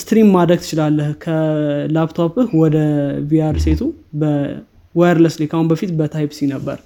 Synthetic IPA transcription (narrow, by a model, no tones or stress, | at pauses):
st̪ɾimːad̪ɾəɡ̚t̪ʰɨ̥t͡ʃɪlalːəhkʰəlapt̪ʰopɨhwɔd̪əviaɾset̪ʰubə | wajɾləslikʰahunbəfit̪bət̪ʰajpsinəbːə̰ɾ